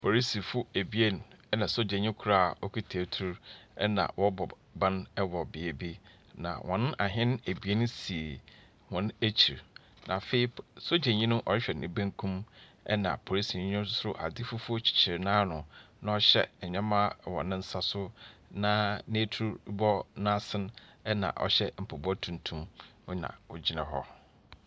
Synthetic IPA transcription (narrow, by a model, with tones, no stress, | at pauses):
pʰo˨ɾi˦si˨fʊ˦e˨bi˦e˦n˨ɛ˦nã˨so˦d͡ʑẽ˨ɲĩ˦kʰu˦ɾa˦˨ɔ˦kʰi˦tʰe˨tʰu˦ɾɛ˦nã̰˨wʔɔ˦bɔ˨ | bã˦n˦wɔ˨bɪ˨e˨bi˦ | nã̰˨wʔɔ̰̃˨nʊ̃˦ʔa˨ɦɪ̃˦n˦e˨bi˦e˦nʊ̃˦si˨e˨ | hɔ̃˨n˦e˦t͡ɕʰi˨ɾ | nã̰˨fe˦i˦so˦d͡ʑẽ˨ɲĩ˦nʊ̃˦ʔɔ̰˨ɾɪ˦ɕᶣɛ˨nɪ̃˨bẽ˦ŋkʰũ˦m | ɛ̰˦nã̰˨pʰo˨i˦si˨ɲ˦ɲᶣʊ̃˦sʊ˦sʊ˦ɾʊ˦ʔa̰˨dɪ˦fʊ˦fʊ˦o˦t͡ɕʰi̥˨t͡ɕʰɪ˨ɾnãː˦nʊ̃˨nã˨ɔ˦ɕɛ̰˦˨ɲᶣã˦mã˦wɔ̰˨nɪ̃˦n̩˦sa˦sʊ˦nã˦nẽ˦tʰu˦bɔ˦nã˦sɪ̃˦nɛ˦nã̰˨ʔɔ̰˨ɕɛ˦m̩˨pʰo˨bɔ˦tʰũ˨n˨tʰũ˦mʊ̃˦nã̰˨wʊ˦d͡ʑi˦nã̰˨ɦɔ̰˦